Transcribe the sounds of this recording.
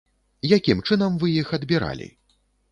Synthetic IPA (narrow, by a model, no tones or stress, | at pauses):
jakʲimt͡ʂɨnɐmvɨjixɐd̪bʲiɾa̰lʲḭ